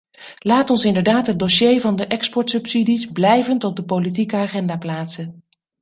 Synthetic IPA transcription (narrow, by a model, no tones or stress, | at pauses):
laːtɔnsɪndəɹdaːtɦət̚doʃejvɑndəʔɛkspɔɹtsɵpsidizblɛjvəntɔb̚dəpowlit̬ikəaːχɛndaːplaːtsən